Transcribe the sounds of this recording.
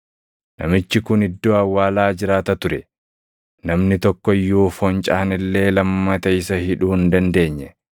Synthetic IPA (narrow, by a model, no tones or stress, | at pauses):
nɐ̰mɪt͡ʃːɪkʊnɪd̪ːoːɐwːaːlaːd͡ʒɪɾaːt̪ɐt̪ʊɾɛ | nɐmnɪt̪ɔkːɔjːuːfɔnt͡ʃʼɐhnɪlːe̞ːlɐmːɐt̪ɐɪsɐhɪᶑuːɪnd̪ɐnd̪e̞ːɲːɛ